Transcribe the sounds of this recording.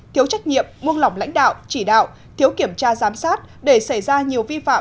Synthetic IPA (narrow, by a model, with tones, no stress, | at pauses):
t̪ʰi˨˦əwt͡ɕa˦˥jk̚ɲḭ˧˨əmːu˧ənla˨˩wŋ͡mla̰˧˥ŋ̟ɗa̰ː˧˨wt͡ɕi˧˩ɗa̰ː˧˨w | t̪ʰi˨˦əwki˧˩əmt͡ɕaː˧zaː˨˦msaː˦˥t̚ | ɗe˧˩sa˧˩jzaː˧ɲi˨˩əwvi˧fa̰ː˧˨